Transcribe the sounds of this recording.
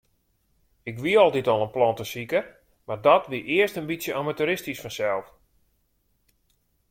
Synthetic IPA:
ɪkʋiɔlˠditɔlˠənplɔntəsikə | mardɔtʋiʔɪəstənbisjəʔamatuɾɪstisfɔnsɛlˠf

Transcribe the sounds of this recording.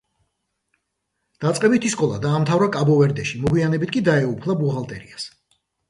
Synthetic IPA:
d̪̥at̪sʼqʼɛbit̪ʰiskʼɔlˠa̰d̪aːmt̪ʰavɾakʼabɔvɛɾd̪ɛʃimɔɡwianɛbit̪̚ʰkʼid̪aɛupʰlˠabuʁalˠt̪ʼɛ̰ɾḭas

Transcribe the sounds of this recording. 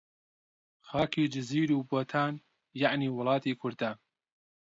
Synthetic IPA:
xɑːkiːd͡ʒɪziːɾuːboːt̪ʰaːn | jaʕniːwʊlˠɑːt̪iːkʰʊɾd̪aː

